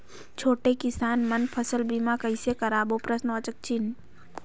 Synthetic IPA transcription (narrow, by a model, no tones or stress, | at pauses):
t͡ʃʰoːʈekɪsaːnmənpʰəsəlbimakəɪsekɐɾaːboːpɾəsnɔt͡ʃək̚t͡ʃin